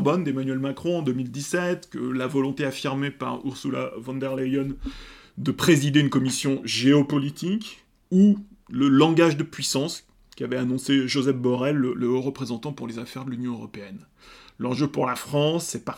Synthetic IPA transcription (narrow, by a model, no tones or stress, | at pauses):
bɔnd̪emanɥɛlmakχɔ̃ɑ̃d̪ømild̪isɛt̪kəlavɔlɔ̃t̪eafiʁmepa̰ʁṵʁsula̰vɑ̃nd̪ɛʁlejɔn | d̪əpχezid̪eynkɔmisjɔ̃ʒeɔpɔlit̪ʰik | u | ləlɑ̃ɡaʒd̪əpɥisɑ̃s | kʲiavɛanɔ̃seʒozɛfbɔʁɛlːələoʁəpχezɑ̃t̪ɑ̃puʁlezafɛʁd̪əlynjɔ̃øʁɔpeɛn | lɑ̃ʒøpuʁlafχɑ̃sːɛpaʁ